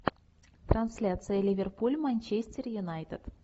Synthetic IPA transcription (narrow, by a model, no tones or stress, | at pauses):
t̪ransʲlʲat̪sɨjəlʲivʲerpulʲmanʲt͡ɕesʲtʲɪrjunajt̪ət̪